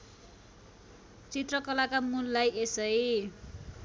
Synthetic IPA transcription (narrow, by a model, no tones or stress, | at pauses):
t͡sit̪rʌkʌlakamulːajʔesʌj